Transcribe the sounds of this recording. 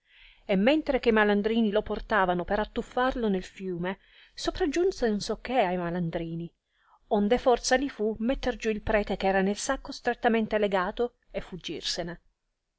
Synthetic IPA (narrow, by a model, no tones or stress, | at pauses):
emːent̪ɾek̟ejmaland̪ɾiːniloport̪aːvanopeɾat̪ːufːarlonelfjuːme | sopɾad͡ʒːunsenonsɔkʰːeajmaland̪ɾiːni | ond̪efɔrt̪salifumet̪ːerd͡ʒuilpɾɛːt̪ekɛːɾanelsakːost̪ɾet̪ːament̪eleɡaːt̪o | efːud͡ʒːḭrsene